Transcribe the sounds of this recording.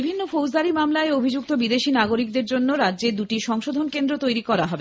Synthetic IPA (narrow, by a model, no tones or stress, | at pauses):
ibʱinːofowzd̪aɾimamlaeobʱid͡ʑuk̚t̪obid̪eʃinaɡoɾik̚d̪eɾd͡ʑonːoɾadːʑed̪uʈiʃɔŋʃod̪ʱonkend̪ɾot̪ojɾikɔɾaɦɔbe